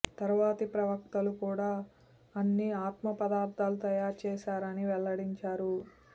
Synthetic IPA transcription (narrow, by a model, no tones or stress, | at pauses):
t̪ɐɾuʋaːt̪ipɾɐʋɐk̚t̪ɐlukuːɽaː | ɐnːiaːt̪mɐpɐd̪aːɾt̪aːlut̪ɐjaːɾt͡ʃɛːʃaːɾɐniʋɛɭːɐɽiɲt͡ʃaːɾu